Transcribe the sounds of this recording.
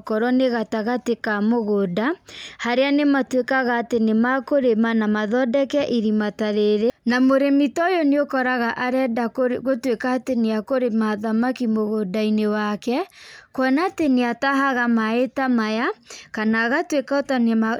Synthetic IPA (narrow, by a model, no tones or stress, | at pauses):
kɔɾɔneɣataɣatekamoɣoːdahaɾeanematwekaɣaːtenemakoɾemanamaðɔdɛkɛʔiɾimataɾeɾenamoɾemitɔjoneokɔɾaɣaʔaɾɛdaɣotwekaːteneakoɾemaðamakimoɣodainewakɛkwɔnateneataɦaɣamaetamajakanaɣatwekaotanma